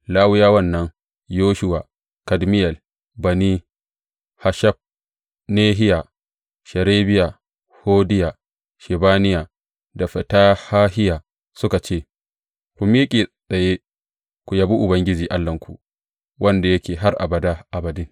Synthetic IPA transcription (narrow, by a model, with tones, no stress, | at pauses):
laː˦wʊ˦jaː˦wɐ˦˨nːɐ˦ŋ | joː˦ʃʊ˦wa˨ | kɐ˨dmɪ˦jɛ˨l | bɐ˨ni˦ | ha˨ʃɐ˦b̚ | neː˦ɦɪ˦ja˨ | ʃɐ˨ɾeː˦bɪ˦ja˨ | hoː˦dɪ˦ja˨ | ʃɛ˨baː˦nɪ˦ja˨ | da˨ɸɐ˨taː˦haː˦hɪ˦jaː˨ | sʊ˦ka˨t͡ʃeː˦˨ | kʷu˨mi˦kʲʼiː˨sʼɐ˨je˦ | kʷu˨jaː˨˦bu˦ʔʊ˨bɐ˦ŋɡʲɪ˦d͡ʒiː˨ʔa˦lːɐ˨ŋkʷṵ˨ʔ | wʔɐ˦nda˨jɐ˦kʲeː˨ɦa˦rʔa̰˨bɐ˨daː˦ʔa˨bɐ˨dɪ˦ŋ